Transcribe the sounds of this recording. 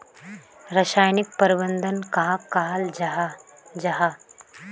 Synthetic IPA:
ɾɐʃaːjnik̚pɐɾibənd̪ənkaɦakaːld͡ʒ | d͡ʒɐɦa

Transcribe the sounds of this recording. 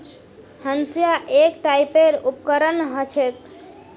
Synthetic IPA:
hənsijaʔekʈaipeɾupkəɾənɦət͡ʃʰek̪

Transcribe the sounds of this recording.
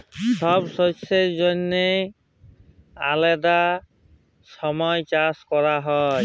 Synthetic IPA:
sɔbsɔsezonːe | alɛd̪a | sɔmɔjt͡ʃaskɔɹaɦɔj

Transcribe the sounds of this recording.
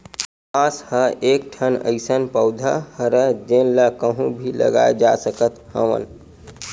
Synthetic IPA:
ãshəek̚ʈʰənə̰ɪsənpəʊd̪ʱa̰həɾəd͡ʒenlakəɦũbʱilə̰ɡa̰ed͡ʒasəkət̪hə̰ʋə̰n

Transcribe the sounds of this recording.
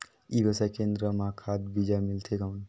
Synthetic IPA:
ibesakend̪ɾəmakʰad̪bid͡ʒamilt̪ʰekawn

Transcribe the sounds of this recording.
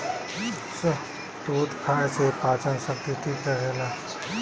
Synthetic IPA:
sə | ʈ̪oːd̪kʰaːesepãːt͡ʃənsək̚t̪iʈʰiːkɾəɦeːna

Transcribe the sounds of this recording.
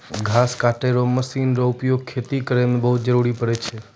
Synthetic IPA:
ɡʱaskaʈeɾoməʃinɾoʊpjoɡ̚kʰːet̪ikɾembəɦud͡ʒəɾuɾipəɽet͡ʃʰe

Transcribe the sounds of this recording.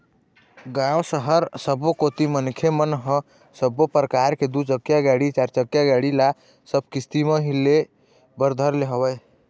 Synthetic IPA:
ɡãwsəɦəɾsəbokot̪imənkʰemənɦə̃ | səbːopɾəkaɾked̪ut͡ʃəkjaɡaɽit͡ʃaɾt͡ʃəkjaɡaɽila | səb̚ʱkist̪iməɦile | bəɾd̪ʱəɾleɦəbɛ

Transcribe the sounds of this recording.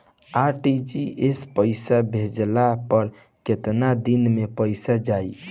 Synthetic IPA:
aʈid͡ʒiespəɪsabʱed͡ʒlapəɾ | ket̪nad̪inmepəɪsad͡ʒaj

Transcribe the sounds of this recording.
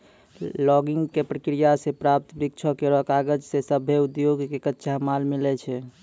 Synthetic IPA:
lɔɡiŋɡkepɾəkɾijasepɾap̚t̪ɾik̚t͡ʃʰəkeɾɔkaɡəd͡ʒsesəbʱeud̪joɡkekətːʃʰamalmilɛt͡ʃʰɛ

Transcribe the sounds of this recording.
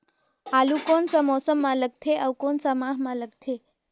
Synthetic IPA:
aːlukoːnsamɔːsəmːãləɡt̪ʰeʔawkoːnsamãːɦmãləɡt̪ʰe

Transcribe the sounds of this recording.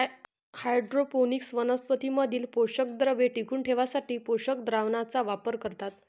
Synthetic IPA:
hajɖɾoponiksʋənəspət̪iməd̪ʱiːlpoɕək̚d̪ɾəʋeʈikʰuːɳʈʰeʋasaʈiːpoɕəkd̪ɾaʋnat͡saʋapəɾkəɾt̪at̪

